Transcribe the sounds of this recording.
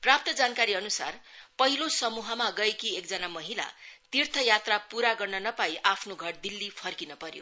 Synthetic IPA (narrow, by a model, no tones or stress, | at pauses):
prap̚t̪ʌd͡zankaɾiʌnusa̰rpʌɦilosʌmuɦʌmaɡʌekiekd͡zʌnamʌɦila̰t̪irt̪ʰʌjat̪rapuɾaɡʌrnʌnʌpaiʔapʰnoɡʱʌɽd̪ilːipʰʌrkinʌpʌɾjo̰